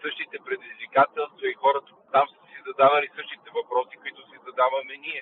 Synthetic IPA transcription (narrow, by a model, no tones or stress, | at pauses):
sɤʃt̪it̪ɛpɾɛd̪izvikat̪ɛlˠst̪vɐixɔɾɐt̪ə̥t̪amsɛsizɐd̪avɐlisɤʃt̪it̪ɛvɐpɾɔsikoʊit̪ʊsizɐd̪avɐmɛniɛ